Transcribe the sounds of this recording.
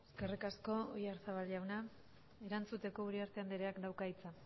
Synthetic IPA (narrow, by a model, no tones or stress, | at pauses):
eske̞rikasko̞ojaɾsaβalʎawna | e̞ɾant͡sut̪e̞ko̞uɾiaɾt̪e̞and̪eɾeakd̪awkait͡sa